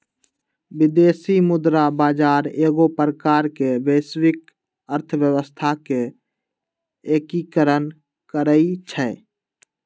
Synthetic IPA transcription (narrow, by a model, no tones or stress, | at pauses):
bɪd̪eːsimʊd̪ɾabaːd͡ʒaːɾeːɡopɾəkaːɾkebeːswɪk̚ | əɾt̪ʰəʋjəwəst̪ʰake | eːkikəɾən | kəɾəit͡ʃʰɛː